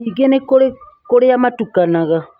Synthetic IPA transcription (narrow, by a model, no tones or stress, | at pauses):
iɡenekoɾe | koɾejamatukanaɣa